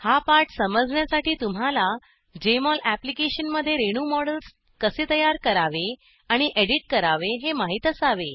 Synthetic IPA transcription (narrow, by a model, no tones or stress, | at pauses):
hapaɾʈsəməd͡zɳjasaʈiːt̪um̤ala | d͡ʑemɔlæplikeɕənməd̪ʱːjeɾeɽ̃umɔɽəls | kəset̪əjaɾkəɾaʋe | aɽ̃iʔeɽiʈ̚kəɾaʋeɦemaɦit̪əsaʋe